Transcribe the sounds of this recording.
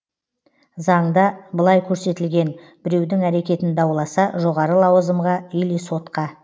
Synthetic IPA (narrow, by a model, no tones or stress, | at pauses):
zɑɴd̪ɑbəlˠɑjkʲʰɵɾse̞t̪ɪlɡʲe̞n | bɪɾe̞wd̪ɪŋæɾe̞kʲe̞t̪ɪnd̪ɑwlˠɑsɑʒo̞ʁɑɾəlˠɑwəzəmʁɑʏjlijso̞t̪qɑ